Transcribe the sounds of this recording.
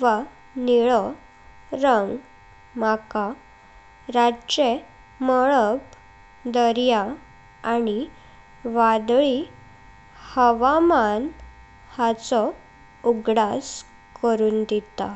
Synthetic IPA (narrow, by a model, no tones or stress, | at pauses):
ʋa | niɭɔ | ɾəŋɡ | maka | ɾat͡ɕe | məɭəb | d̪əɾja | ani | ʋad̪ɭi | həʋaman | hat͡sɔ | uɡɽas | kəɾuːnd̪et̪a̰